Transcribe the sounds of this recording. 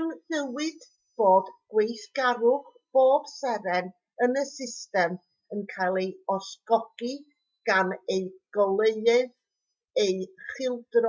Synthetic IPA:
nðəwɪd̥ | b̥oːdɡ̥wejθɡ̥aɾʊχ | b̥oːb̥sɛɾɛn | ənəsɪstɛm | ənkʰajlˠejɔsɡ̥ɔɡ̥i | ɡ̥aneɨɡ̥ɔlˠeɨɨð | ejχɪlˠdr

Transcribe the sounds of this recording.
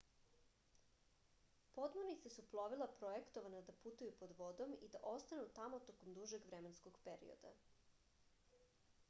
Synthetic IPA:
po̞d̪monit̪sesuplˠoʋilˠapɾojekt̪oʋanad̪aput̪ujupo̞d̪ʋod̪o̞mid̪aʔo̞st̪anut̪amo̞t̪okomd̪uʒeɡʋɾemenskoɡpeɾḭo̰d̪a̰

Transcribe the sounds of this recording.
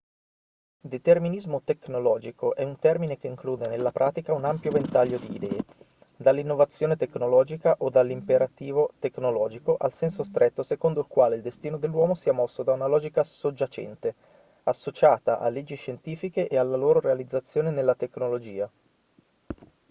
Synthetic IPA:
d̪et̪erminizmot̪eknolɔːd͡ʒikoʔɛunt̪ɛrminekeiŋkluːd̪enelːapɾʔaːt̪ikaunampjovent̪aʎːod̪iːd̪ɛːe | d̪alːinːovat̪sːjoːnet̪eknolɔːd͡ʒikaʔod̪alːimpeɾat̪iːvot̪eknolɔːd͡ʒikoʔalsɛnsost̪ɾʔet̪ːosekond̪oilkwaːleild̪est̪iːnod̪elːwɔːmosiːamɔsːod̪aunalɔːd͡ʒikasod͡ʒːat͡ʃɛ̰nt̪e | asːot͡ʃaːt̪aʔa̰lːed͡ʒːiʃːent̪iːfikeʔealːaloːɾoɾealid̪zːat̪sːjoːnenelːat̪eknolod͡ʒiːa

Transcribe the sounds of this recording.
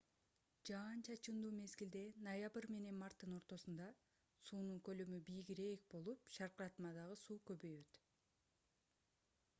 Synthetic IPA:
d͡ʒɑːnt͡ʃʰɑt͡ʃɯmd̪uːme̞zɡild̪e̞nojabɾme̞ne̞nmɑrt̪ːɯno̞ɾt̪o̞sund̪ɑ | suːnuŋkø̞lømybijɡiɾe̞k̚bo̞lˠupʃɑɾqɾɑt̪mɑd̪ɑʁɯsuːkø̞βø̞jø̞t̪

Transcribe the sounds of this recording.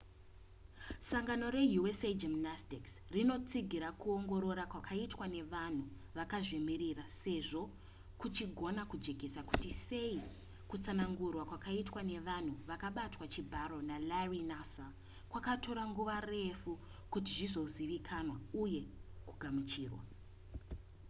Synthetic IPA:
saŋɡano̞ɾe̞juesed͡ʒimnastiksrino̞t͡siɡʱiɾakuo̞ŋɡo̞ɾo̞ɾakwakʰaitwane̞ʋan̤u | ʋakaʐemiɾirase̞ʐo̞ | kut͡ʃiɡʱo̞nakud͡ʒe̞ɡʱe̞saku̥tise̞i | kut͡sanaŋɡurwakwakaitwane̞ʋan̤uʋakaɓatwat͡ʃibʱaɾo̞nalarinasa | kwakatʰo̞ɾaŋɡuʋare̞fu | kutiʐizo̞ziʋikʰanwauje̞kuɡʱamut͡ʃiːrwa̰

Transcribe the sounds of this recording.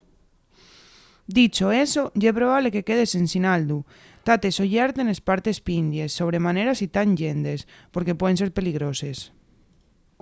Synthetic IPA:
d̪it͡ʃoesoʝepɾoβ̞aβlekekeð̞esensinald̪u | t̪at̪esoʝaɾt̪enespaɾt̪espind̪jesːoβ̞ɾemaneɾasit̪and͡ʒend̪espoɾkepweðenseɾpeliɣɾoses

